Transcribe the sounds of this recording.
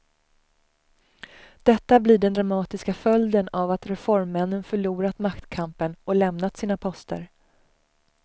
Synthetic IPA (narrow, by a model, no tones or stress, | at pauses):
d̪̥ɛt̪ːablɪɖɛnd̪ɾamɑːt̪ɪskafœld̪ənavat̪ɾɛfɔɾmːɛnːənfœɭuːɾat̪makt̪kʰampənɔlɛmnat̪siːnapʰɔst̪ə̰ɾ